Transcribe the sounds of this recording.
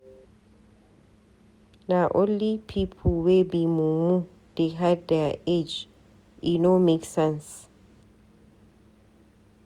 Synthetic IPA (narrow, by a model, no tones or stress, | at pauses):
naʔõnlipʰipʰlwebimumu | d̥eɦaddɛed͡ʒ | ʔinomeksɛ̃ns